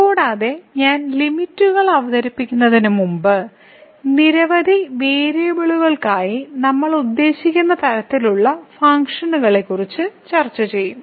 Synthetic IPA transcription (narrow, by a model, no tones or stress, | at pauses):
koːɽaːðe̞ɲaːnlimitːuɣɐɭɐʋɐðɐɾipːikʲːunːɐðinumumbɨ | niɾɐʋɐd̪ʱiʋeːɾijɐbiɭuɣɐɭkaːjinɐmːɐɭud̪ːe̞ːɕikʲːunːɐt̪ɐɾɐt̪ːiluɭːɐfɐŋkʂɐnuɣɐɭe̞kːurit͡ɕːɨt͡ɕɐrt͡ɕːɐt͡ɕe̞jːum